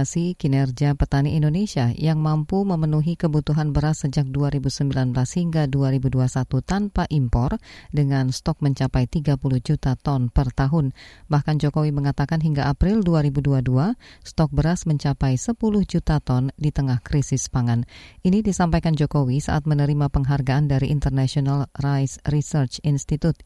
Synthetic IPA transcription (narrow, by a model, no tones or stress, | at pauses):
sikinɛrd͡ʒiapət̪aniʔindonesiajaŋmampuməmənuɦikəbut̪uɦanbəɾasːəd͡ʒak̚duaɾibusəmbilanbəlashiŋɡaduaɾibuduasat̪ut̪anpaʔimpɔrdəŋanst̪ɔk̚məɲt͡ʃapajt̪iɡapulʊhd͡ʒut̪at̪ɔnpərt̪aɦʊnbahkand͡ʒokowiməŋat̪akanɦiŋɡaʔapɾɪlduaɾibuduaduast̪ɔk̚bəɾasməɲt͡ʃapajsəpulʊhd͡ʒut̪at̪ɔndit̪əŋahkɾisɪspaŋanʔinidisampajkand͡ʒokowisa̰ʔat̪̚mənəɾimapəŋɦarɡaʔandaɾiʔint̪ərnasionalrajsrisərt͡ʃinst̪it̪ut̪̚